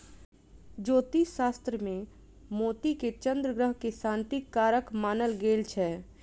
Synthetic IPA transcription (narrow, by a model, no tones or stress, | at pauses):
d͡ʒoːt̪iʃaːst̪ɾəmẽ | moːt̪iket͡ʃə̃nd̪ɾəɡɾəɦkesãːnt̪ikːaːɾəkmaːnəlɡeːlt͡ʃʰɛː